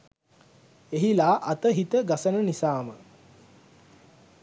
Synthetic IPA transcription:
eɦilaːʔɐt̪əɦit̪əɡasənənisaːmə

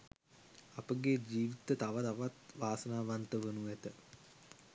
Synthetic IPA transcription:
apəɡed͡ʒiːʋit̪ət̪aʋat̪aʋat̪ʋaːsənaːʋant̪əʋənuæt̪ə

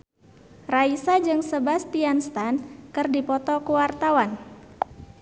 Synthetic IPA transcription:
raisad͡ʒɨŋsəbast̪ianst̪ankɨrdipɔt̪ɔkuwart̪awan

